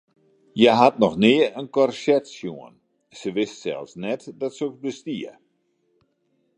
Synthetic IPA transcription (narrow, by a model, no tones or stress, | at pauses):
jaɦatnɔxnɪəənkɔrsɛtsjuən | səʋɪstsɛ̰lˠfsnɛtdɔtsəoksbəstiə